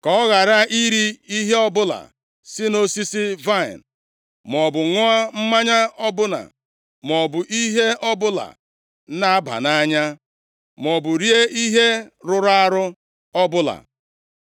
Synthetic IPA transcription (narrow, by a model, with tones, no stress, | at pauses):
kɔ˨ɔ˦ɣa˨ɾa˦ʔi˦ɾi˦i˦ɦe˦ɔ˦bʊ˦la̰˨ | sɪ˦no˦si˦si˦va˦˨ɪ̰˨n | m˨ɔ˨bʊ˨ŋʊ˦a˦m̩˦ma˦ɲa˦ɔ˦bʊ˦na̰˨ | m˨ɔ˨bʊ˨ʔi˦ɦe˦ʔɔ˦bʊ˦la̰˨˦ | na˦a˦ba̰˨na˦ɲa˦ | m˨ɔ˨bʊ˨ɾje˦i˦ɦe˦ɾʊ˨ɾa˦ɾʊ˦ | ɔ˦bʊ˦la̰˨